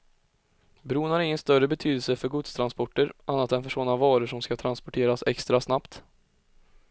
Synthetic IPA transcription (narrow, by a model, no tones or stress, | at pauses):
bɾuːnhaɾɪŋːənst̪œɾəbɛt̪ʰyːd̪əlsəfœɾɡʊt̪st̪ʰɾanspɔʈːəɾʔanːat̪ɛnfœʂɔnavɑːɾəʂɔmskat̪ʰɾanspɔʈʰeːɾasɛ̰kst̪ɾasnapt̪